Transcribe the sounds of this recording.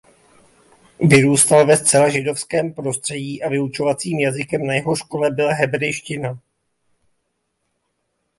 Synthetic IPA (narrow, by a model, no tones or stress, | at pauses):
vɪɾuːst̪alvɛstt͡sɛlaʒɪdo̞fskɛːmpɾo̞st̪r̝̥ɛɟiːʔavɪut͡ʃo̞vat͡siːmjazɪkɛmnajɛɦo̞ʃko̞lɛbɪlaɦɛbɾɛjʃcɪna